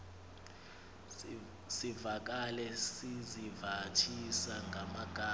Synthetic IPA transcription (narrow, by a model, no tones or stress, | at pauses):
sivak̬alɛsizivatʰisaŋɡʱamaɡ̥ʱaː